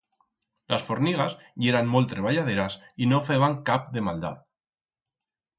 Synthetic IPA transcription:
lasfoɾniɣ̞az | ʎeɾanmolt̪ɾeβ̞aʎað̞eɾasinofeβaŋkap̚d̪emald̪a̰t̪

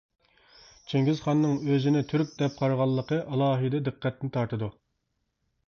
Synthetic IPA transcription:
t͡ʃʰeŋɡʲizχɑnːɨŋøzɪnɪt̪ʰyɾk̚ʲd̪ɛp̚qʰɑɾʁɑlˠːəqʰəʔɑlˠɑːɦɨd̪ɛd̪ɨqːɛt̪nɪt̪ʰɑɾt̪ʰɨd̪u

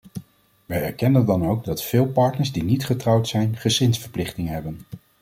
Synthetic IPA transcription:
ʋɛjɛɹkɛnəndɑnowɡdɑtfɪːlˠpɑɹtnəɹzdinitχətrɑwtsɛjnχəsɪnsfəɹplɪχtɪŋənɦɛbən

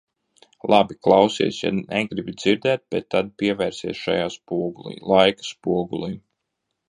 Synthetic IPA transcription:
lˠabiklˠawsiɛsja̰nɛɡɾibid̪z̥iɾd̪ɛːt̪̚b̥ɛt̪ːad̪̚piɛvɛːɾsiɛsʃa̰jaːspuɔɡulˠḭːlˠajkḁspuɔɡulˠiː

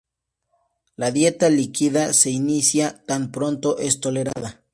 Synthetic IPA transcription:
laðje̞t̪alikiðase̞inisjat̪ampɾo̞nt̪oʔest̪o̞le̞ɾa̰ða

